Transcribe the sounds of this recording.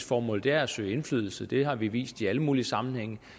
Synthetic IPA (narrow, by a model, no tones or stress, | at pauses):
sfɒːmɔ̽ld̥eæɐæsø̰ɪe̝nflyð̞ˠl̩səd̥e̝hɑ̈ʋiʋḭːsd̥iæləmuːliəsɑ̈mn̩heŋ̰